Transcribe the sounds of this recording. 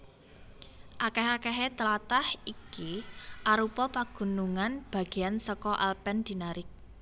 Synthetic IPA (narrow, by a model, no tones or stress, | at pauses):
ʔakɛɦakɛɦet̪əlat̪ahikiʔaɾupɔpaɡ̥ṳnuŋanb̥a̤ɡ̥e̤jansɔkɔʔa̰lpɛnd̪̥i̤naɾɪk̚